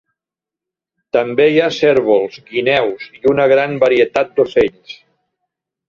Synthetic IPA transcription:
t̪əmbeiasɛɾβolˠzɡinɛwziunəɣɾambəɾiət̪at̪̚d̪oseʎs

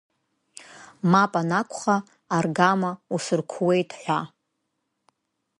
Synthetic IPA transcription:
mapʼanakʷʰχaː | rɡamausɨrkʷʰwejtʰʼħʷa

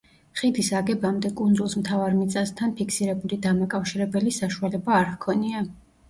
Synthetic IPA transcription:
χid̪isaɡɛbamd̪ɛkʼund̪zulˠsmt̪ʰavaɾmit̪sʼast̪ʰanpʰikʰsiɾɛbulid̪amakʼafʃiɾɛbɛlisaʃualɛbaːɾhkʰɔnia

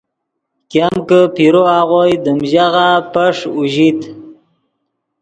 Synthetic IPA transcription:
kjamkəpiɾoaʁojd̪əmʑaɣapəʂuʑit̪

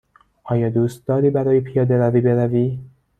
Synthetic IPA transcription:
ʔɒːjɒːd̪uːst̪̚d̪ɒːɾiːbæɾɒːjepʰijɒːd̪eɾɒviːbe̞ɾæviː

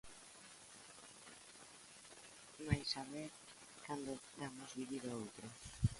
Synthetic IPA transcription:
majsaβeɾ | kand̪od̪amozβiβiɾoowt̪ɾo

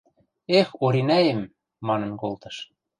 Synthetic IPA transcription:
exoɾinæjə̆mː | ɑnɤ̆nkolt̪ɤ̆ʃ

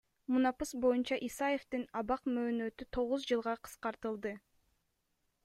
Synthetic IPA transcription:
munɑpɯsbo̞junt͡ʃɑʔisɑje̞ft̪inɑβɑqmø̞ːnø̞t̪yt̪ʰo̞ʁuzd͡ʒɯlˠʁɑqʰɯ̥sqɑɾt̪ɯlˠd̪ɯ

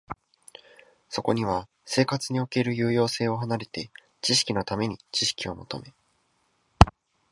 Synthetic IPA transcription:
so̞ko̞ɲ̟iβ̞a | se̞ːkat͡sɨɲ̟io̞ke̞ɾɯ̟jɯ̟ːjo̞ːse̞ːo̞ɦanaɾe̞t̪e̞ | t͡ɕiɕi̥kʲino̞t̪ame̞ɲ̟it͡ɕiɕi̥kʲio̞mo̞t̪o̞̰me̞

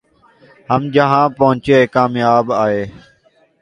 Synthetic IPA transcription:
həmd͡ʒəɦãːpəɦʊ̃t͡ʃeːkaːmjaːbaːɦeː

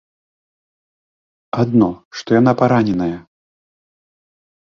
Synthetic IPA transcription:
ad̪nɔʂt̪ɔjan̪apaɾanʲɛnɐjɐ

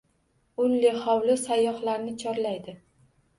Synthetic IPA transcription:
ʊlːehɒwlɪsajːɒχlaɾnɪt͡ʃʰɒɾlajd̪ɪ

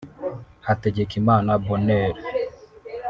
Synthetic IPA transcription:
hatɛd͡ʒekimanabɔnɛɾe

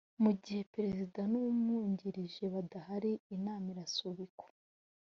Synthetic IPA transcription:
muɟihe̞peɾe̞zidanuumŋuːɲɟiɾiʒe̞βadahaɾiinaːmiɾasuβiko̥

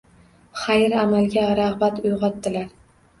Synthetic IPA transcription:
χajɪɾamalˠɡʲaɾaʁbat̪ʊjʁɒt̪ːɪlaɾ

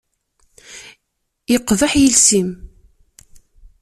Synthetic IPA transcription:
jəqːðaħjəlsim

